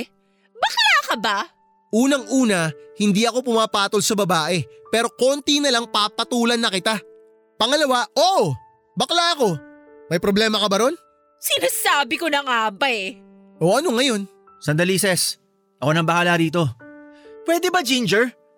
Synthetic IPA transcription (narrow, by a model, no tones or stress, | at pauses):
bɐklaːkɐba | ʔuːnɐŋʔuːnɐhɪnd̪iɐko̞pʊmaːpaːt̪olsɐbɐbaːʔɛpɛːɾo̞ko̞nt̪inɐlaŋpaːpɐt̪uːlɐnːɐkɪt̪a | pɐŋɐlɐwaʔoːʔo | bɐklaʔɐko̞ | mɐjpɾoblɛːmɐkɐbɐɾo̞n | sɪnaːsaːbɪkonɐŋabɐɛ | ʔo̞ʔɐno̞ŋɐjo̞n | sɐnd̪ɐliːsɛs | ʔɐko̞nɐmbɐhaːlɐɾiːt̪o̞ | pwɛd̪ɛbɐd͡ʒind͡ʒɛɹ